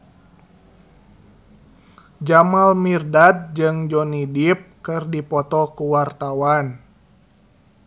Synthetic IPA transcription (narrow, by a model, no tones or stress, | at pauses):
d͡ʒamalmirdat̪̚d͡ʒɨŋd͡ʒɔnidip̚kɨrdipɔt̪ɔkuwart̪awan